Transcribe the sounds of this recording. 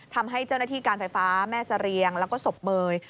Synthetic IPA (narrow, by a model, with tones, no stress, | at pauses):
t̪ʰa˧mɦa˥˩jt͡ɕa˥˩wnaː˥˩t̪ʰiː˥˩kaː˧nfa˧jfaː˦˥mɛː˥˩sa˧ɾi˧əŋlɛː˦˥wkɔː˥˩so˨˩p̚mɤː˧j